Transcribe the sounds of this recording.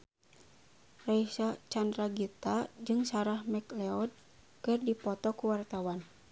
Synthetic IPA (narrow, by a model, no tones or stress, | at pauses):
raisat͡ʃandraɡit̪ad͡ʒɨŋsaɾahmɛklɛɔd̚ | kɨrdipɔt̪ɔkuwart̪awan